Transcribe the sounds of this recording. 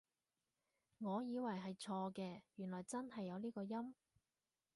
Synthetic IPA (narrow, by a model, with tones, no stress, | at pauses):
ŋɔː˨˧jiː˨˧wɐ˨˩jɦɐ˨jt͡ʃʰɔː˧kɛː˧jyː˨˩nlɔː˨˩jt͡sɐ˥nɦɐ˨jːɐ˨˧wliː˥kɔː˧jɐ˥m